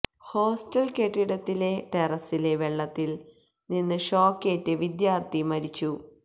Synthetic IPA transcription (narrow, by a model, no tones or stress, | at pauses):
ho̞ːstɐlkeʈːiɽɐt̪ːile̞t̪erɐsile̞ʋeɭːɐt̪ːil | ninːɨʂo̞ːkːeːtːɨʋid̪jaːrt̪imɐɾit͡ɕːu